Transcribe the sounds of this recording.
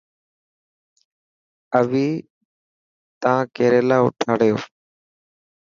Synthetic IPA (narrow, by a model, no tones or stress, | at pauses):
əʋiː | t̪ãːkeːɾeːlaːʊ̰ʈʰaːɽɪjoː